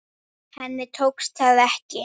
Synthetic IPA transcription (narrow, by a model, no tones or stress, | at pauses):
hɛnːɪt̪ʰowkst̪ʰaðɛhcɪ